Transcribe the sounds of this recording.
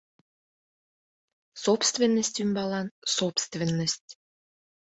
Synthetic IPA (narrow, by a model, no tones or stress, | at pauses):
sopst̪venːəsʲt̪ʲymbɑlɑnsopst̪vʲenːəsʲtʲ